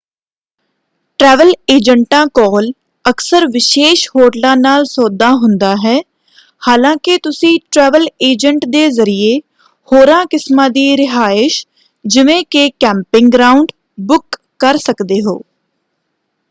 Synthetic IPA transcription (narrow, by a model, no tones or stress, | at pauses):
ʈɾɛːʋəleːd͡ʒəɳʈãːkɔːl | əksəɾʋɪʃeːʃhoːʈlãːnaːlsɔːd̪aːɦʊnd̪aːɦɛː | haːlãːkɪt̪ʊsĩːʈɾɛːʋəleːd͡ʒəɳʈd̪eːzəɾieː | hoːɾãːkɪsmãːd̪iːɾɪɦaːɪʃ | d͡ʒɪʋẽːkekɛ̃ːmpɪŋɡɡɾaːʊɳɖ | bʊkː | əɾsəkd̪eːɦo̰ː